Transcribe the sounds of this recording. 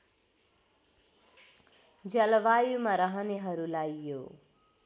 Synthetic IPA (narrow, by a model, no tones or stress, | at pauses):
d͡ʒʌlʋajumaɾʌɦʌneɦʌɾulajjo